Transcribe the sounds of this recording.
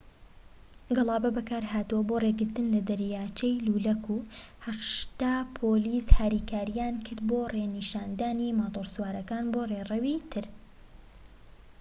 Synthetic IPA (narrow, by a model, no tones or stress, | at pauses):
ɡɨlˠɑːbɐbɐkaːɾɦaːt̪uwɐboːreɡɪɾt̪ɨnlɐd̪ɐɾjaːt͡ʃejluːlɐkuː | hɐʃt̪aːpʰoliːshaːɾiːkaːɾijaːnkʰɨɾd̪̚boːreniʃaːnd̪aːnimat̪oɾswaːɾɐkaːnboːreːrɐwit̪ʰɨɾ